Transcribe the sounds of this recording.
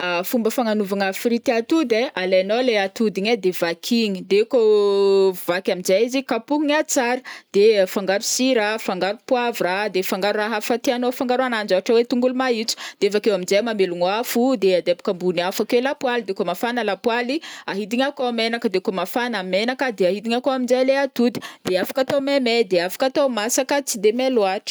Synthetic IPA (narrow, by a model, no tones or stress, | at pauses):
afumbəfaŋanuvaŋafrit̪iat̪ud̪ealeanoleat̪ud̪iɲad̪evakʰiɲid̪eko | vakʲamind͡zaizikapuɦiɲat͡saɾəd̪̥efaŋɡaɾu̥siɾafaŋɡaɾupwavurad̪efaŋɡaɾuraɦafat̪eanofaŋɡaɾanand͡ʒaaʈ͡ʂawet̪uŋɡulumait͡su̥d̪̥eefakewamind͡zajmameluŋwafud̪ead̪eabḁkəmbuniafakwelapwalid̪ekomafanəlapwaliaɦid̪iɲakoamenakəd̪ekomafanamenakəd̪eaɦid̪iɲakoamind͡zaleat̪ud̪i̥d̪̥eafḁkat̪omemed̪eafḁkat̪omasakət͡sid̪emeloaʈ͡ʂə̥